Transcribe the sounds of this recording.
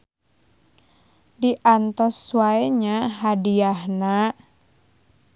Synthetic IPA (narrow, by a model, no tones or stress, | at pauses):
diʔant̪ɔsːuwaɛɲaɦadiahna